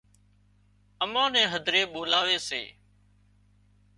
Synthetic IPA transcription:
əmãːnɛ̃ːɦəd̪ʱɾeːɓoːlaːʋeːsḛː

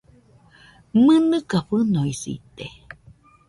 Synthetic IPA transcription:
mɨnɨkaɸɨnoisḭt̪e

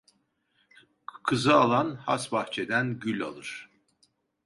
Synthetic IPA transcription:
kʰɯzɯalˠanha̰sbaxt͡ʃʰed̪ænɟylʲa̰lˠɯɾ̥

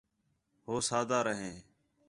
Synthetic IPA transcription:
ɦoːsaːd̪aːɾəɦẽː

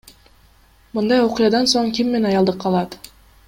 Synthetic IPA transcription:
mɯnd̪ɑjoqʊjɑd̪ɑnsoɴkʲimːenɑjɑlˠd̪ɯqʰːɑlˠɑt̪

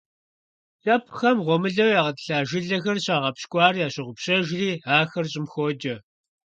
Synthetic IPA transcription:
ɬʼɐpʰxɐmʁʷɔmɨɮɐwjaːʁɐtɨ̥ɬaːʒɪɮɐxɐrɕaːʁɐpɕkʷʼɑːriːjaːɕɪʁʷʊpɕʼɐʒriːaːxɐrɕʼɪmxoːd͡ʒɐ

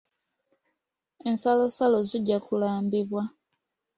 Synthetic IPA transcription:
e̞nsalosaloziɟːakulaːmbiβwa

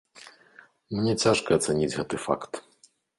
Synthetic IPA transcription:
mnʲɛt͡sʲaʂkɐɐt̪sanʲid͡zʲɣɛt̪ɨfa̰kt̪

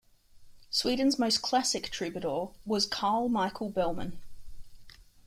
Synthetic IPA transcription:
swiːdⁿn̩zməʊskʰl̥asɪk̚tʰɹ̥ɪbjəɾɔːwɒz̥kʰɑːlˠmɑɪkʰəlˠbɛlˠmə̰̃n

